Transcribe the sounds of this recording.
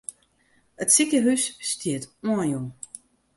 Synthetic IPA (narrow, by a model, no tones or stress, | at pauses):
ətsikəɦysːtʰiətuənju